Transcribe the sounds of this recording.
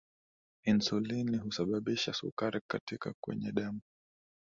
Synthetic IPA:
insuliniɦusaɓaɓiʃasṵkaɾikatikakwɛ̰ɲɛɗɛmu

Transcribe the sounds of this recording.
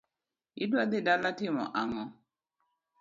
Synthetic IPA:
idwad̪ɪdalatɪmɔ̰ʔaŋɔ

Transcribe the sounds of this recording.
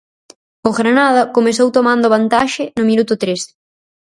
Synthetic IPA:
oɣɾanað̞ɐkomesowt̪omãnd̪ʊβant̪aʃɪnʊmĩnut̪ʊt̪ɾes

